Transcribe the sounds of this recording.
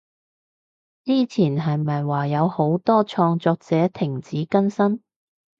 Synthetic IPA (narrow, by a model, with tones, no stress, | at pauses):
t͡siː˥t͡sʰiː˨˩nɦɐ˨jmɐ˨jwaː˨˩jɐ˨˧who˨˥wt̪ɔː˥t͡ʃʰɔː˧ŋt͡sɔː˧k̚t͡sɛː˨˥t̪ʰɪ˨˩ŋt͡siː˨˥kɐ˥nsɐ˥n